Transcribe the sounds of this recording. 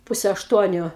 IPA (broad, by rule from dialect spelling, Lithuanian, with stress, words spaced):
ˈpʊsʲɛ ɐʃˈtuɔnʲʊ